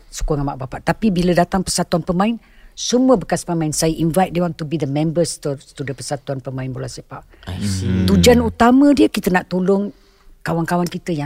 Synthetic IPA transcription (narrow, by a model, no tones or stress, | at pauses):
su̥koŋanmaʔbapaʔt̪apibilədat̪aŋpəsat̪uanpəmãɪn | səmuəbəkaspəmãɪnsajəʔinvajt̪̚dewaŋt̪ubid̪əmɛ̃mbəst̪ut̪udəpəsat̪uanpəmãɪnbolasipaʔ | t̪ud͡ʒanut̪amə̃diəkit̪ənaʔt̪olʊŋ | kawankawankit̪əja